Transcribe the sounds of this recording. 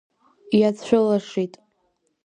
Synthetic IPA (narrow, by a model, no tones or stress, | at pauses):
jat͡sʰʷᶣʊlaʂitʼ